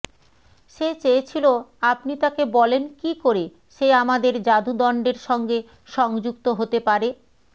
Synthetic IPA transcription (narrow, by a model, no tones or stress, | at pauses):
ʃet͡ɕeet͡ɕʰiloapnit̪akebɔlenkikoɾe | ʃeamad̪eɾd͡ʑad̪ʱud̪ɔɳɖeɾʃɔŋɡe | ʃɔŋd͡ʑuk̚t̪oɦot̪epaɾe